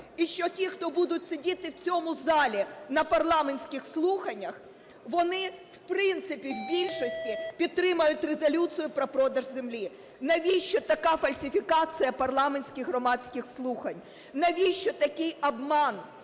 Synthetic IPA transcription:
iʃt͡ʃɔtʲixt̪ɔbud̪ʊtʲsedʲit̪ɪwt͡sʲɔmʊzɑlʲinɐpɐrlˠɑmenʲsʲkʲɪxslˠuxɐnʲːɐx | ʋɔnɪwpɾɪnt̪sɪpʲiwbʲilʲʃɔsʲtʲipʲid̪̚t̪ːɾɪmɐjʊtʲrezɐlʲut͡s̪ʲijʊpɾɔpɾɔd̪ɐʒzemlʲi | nɐʋʲiʃt͡ʃɔt̪ɐkɑfɐlʲsʲɪfʲikɑt͡sʲijɐpɐrlˠɑmenʲsʲkʲɪɣɦɾɔmɑsʲkɪxslˠuxɐnʲ | nɐʋʲiʃt͡ʃɔt̪ɐkɪjɐbmɑn

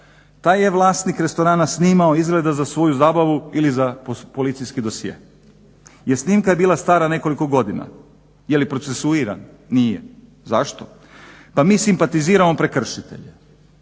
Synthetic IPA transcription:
t̪aːjjeʋlˠaːst̪nikɾe̞st̪o̞ɾaːnasniːmaoizɡle̞d̪azasʋo̞juzaːbaʋuilizappo̞lit̪sijskid̪o̞sjḛː | jeɾsniːmkaje̞biːlˠast̪aːɾane̞ko̞liko̞ɡo̞d̪ina̰ | jelipɾo̞t̪sesuiɾa̰nː | ije | zaʃt̪o | pamiːsimpat̪iziːɾamo̞pɾe̞kr̩ʃit̪e̞̰ʎe

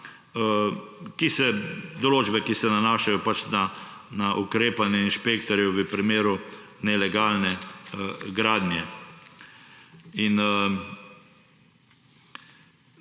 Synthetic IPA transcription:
kisɛd̪ɔloːd͡ʒbɛkisɛnanaːʃajɔpat͡ʃna | naʔukɾeːpalnɛinʃpekt̪ɔɾjɛʋəpɾimeːɾu | nɛlɛɡaːlnɛ | ɡɾaːd̪njɛ | in

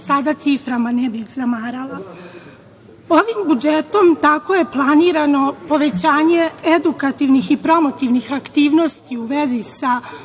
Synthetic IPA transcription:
sad̪at̪sifɾamanebizamaːɾalˠa | o̞ʋimbud͡ʒe̞t̪o̞mt̪ako̞je̞plˠaniːɾano̞po̞ʋe̞t͡ɕaːɲe̞ed̪ukat̪iʋnixipɾo̞mo̞t̪iʋnixakt̪iːʋno̞st̪iuʋezisa

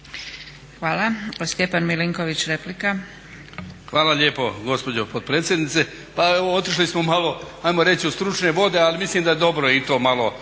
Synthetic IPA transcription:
xʋaːlaost̪jepanmiliŋkoʋit͡ɕɾeplika | xʋaːlaʎeːpo̞ɡo̞spo̞d͡ʑopod̪̚pɾeːt̪sjed̪nit̪se | paeoot̪iʃlismomalo̞ | ajmo̞ɾe̞t͡ɕiust̪ɾut͡ʃne̞ʋo̞d̪e̞alimisliːmd̪ajed̪o̞bɾojeit̪o̞ːmalo

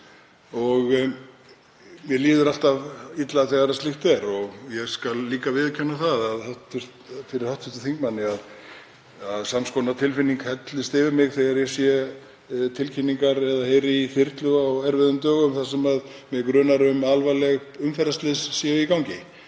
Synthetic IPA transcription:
ɔɣ | mjɛliːðʏɾal̥t̪avit̪laθɛɣaɾast̪lɪht̪ɛɾɔɣjɛɣskalːiːkavɪðcʰœnːaθaðaðawht̪ʏr̥t̪fɪɾɪɾhawht̪fʏht̪ʏ̥θiŋkmanːɪað | aðsamskɔwnat̪ʰɪlfɪnːiŋkhɛt̪lɪst̪ɪvɪɾmɪɣθɛɣaɾjɛsjɛ | t̪ʰɪlcʰɪnːiŋkaɾɛðaheːjɾɪiθɪr̥t̪lʏawɛɾvɪðʏmt̪œːɣʏmθḁsɛmaðmjɛkɾœːnaɾʏmalvajlɛɣ | ʏmfɛɾast̪lɪsːjɛikawŋcɪ

